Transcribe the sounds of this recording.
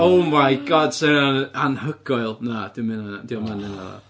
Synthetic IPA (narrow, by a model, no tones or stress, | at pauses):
owmajɡɔd̥seananhəɡ̥ɔɨlˠnad̥ɪmɪnadiɔmanɪnaða̰